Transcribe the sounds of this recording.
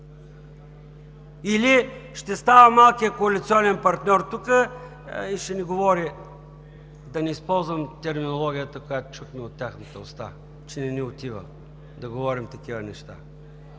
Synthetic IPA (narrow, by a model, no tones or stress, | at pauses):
iliʃt̪ɛst̪avəmalˠkijəkoɐlit̪siɔnɛnpɐɾt̪nʲɔɾt̪ukə | iʃɛniɡovɔɾi | d̪ɐnɛispɔlˠzvəmt̪ɛɾminolˠɔɡʲijət̪əkojat̪ʊ̥t͡ʃut̪mɛot̪ːʲaxnət̪əost̪a̰ | t͡ʃɛnɛniot̪ivə̰ | d̪ɐɡovɔɾimt̪ɐkivənɛʃt̪a̰